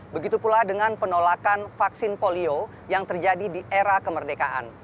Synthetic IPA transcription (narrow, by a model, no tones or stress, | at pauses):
bəɡit̪upuladəŋanpənolakanfaksɪnpolio | jaŋt̪ərd͡ʒadidiʔeɾakəmərdekaʔa̰n